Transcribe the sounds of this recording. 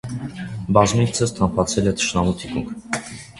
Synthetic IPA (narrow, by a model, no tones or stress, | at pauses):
bɑzmit͡sʰəst̪ʰɑmpʰɑt͡sʰɛlɛt̪ʰə̥ʃnɑmut̪ʰikuŋkʰ